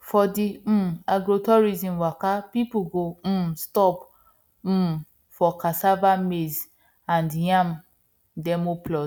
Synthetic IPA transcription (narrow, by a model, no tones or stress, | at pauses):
fɔdĩaɡɾotɔɾizĩmwakapipuɡõstɔp̩ | fɔkasavamez | ãndjãm | dɛmoplɔ